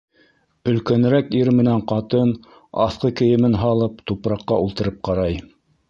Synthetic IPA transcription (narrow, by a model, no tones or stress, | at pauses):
ɵ̆lkæn̆ɾækiɾmɘ̆næɴqɑt̪ɤn | ɑ̰θqɤkɘ̆jɘ̆mɘnɦɑlˠɤp̚t̪upɾɑqːɑulˠt̪ɤ̆ɾɤp̚qɑɾɑj